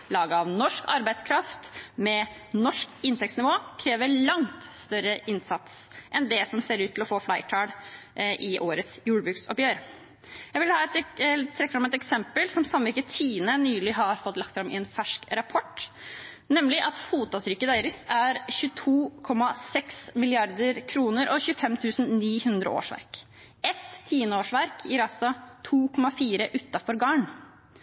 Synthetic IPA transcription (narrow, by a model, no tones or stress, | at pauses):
lɑːɡəɑʋnɔʂkʰɑɾbæɪd̪skʰɾɑft̪mɛ | nɔʂkɪnt̪ɛksnɪʋoːkʰɾeːʋəɭɑŋt̪st̪œɾəʔɪnsɑt̪s | ʔɛnd̪ɛsɔmseːɾʉːt̪ʰːɪlɔfoːflæɪʈʰɑːɽʔɪʔoːɾət̪sjuːɽəbɾʉːksɔ̰pjøːɾ | jæɪʋɪlhɑːɛt̪t̪ʰɾɛkːəfɾɑmɛt̪ɛksɛmpəlsɔmsɑmːʋɪkət̪ʰiːnənyːlɪɦɑɾfɔt̪ːlɑkt̪fɾɑmʔɪ̰ɛnfæʂkɾɑpʰɔʈ | nɛmlɪʔɑt̪fuːt̪ɑsɾʏkːəd̪æɪɾəsæɾçʉːt̪ʰuːkʰɔmːɑsɛksmɪlɪɑɾd̪əɾkʰɾuːnəɾʔɔçʉːəfɛmt̪ʰʉːsn̩niːhʉnd̪ɾə̰ʔo̰ːʂʋæ̰ɾk | ɛt̪ʰːiːnəoːʂʋæɾkʰjɪɾɑsɔt̪ʰuːkʰɔmːɑfiːɾəʔʉt̪ːɑfɔɾɡɑːɳ